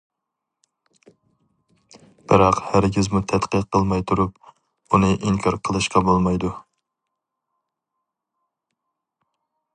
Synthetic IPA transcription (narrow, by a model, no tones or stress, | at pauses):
b̥ɪɾɑqhæɾɡʲizmut̪ʰɛt̪qʰəqʰːəlˠmɑjt̪ʰuɾup̚ | unɨʔiŋkʲʰɑɾqʰəlˠɨʃqʰɑbolˠmɑjd̪u